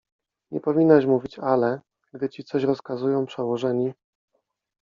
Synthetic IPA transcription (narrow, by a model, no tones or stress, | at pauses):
ɲɛ̰pɔvʲinːaɕmuvʲit͡ɕalɛ | ɡd̪ɘt͡ɕit̪sɔɕɾɔskazujɔ̃w̃pʂɛwɔʐɛɲi